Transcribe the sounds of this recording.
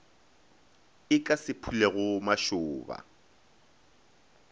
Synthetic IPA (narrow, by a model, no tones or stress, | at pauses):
ɪkʼasɪpʰuleɣʊmaʃʊːba̰